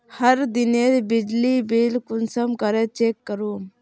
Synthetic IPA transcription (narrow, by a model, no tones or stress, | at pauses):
hɐɾd̪ined̪bɪd͡ʒlibiːlkʊnsəmkɐɾet͡ʃeːkːəɾuːm